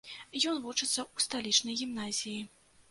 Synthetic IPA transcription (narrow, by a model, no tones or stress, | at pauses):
jɔnvut͡ʂɨt̪sːɐust̪alʲit͡ʂnɐjɣʲimnazʲiji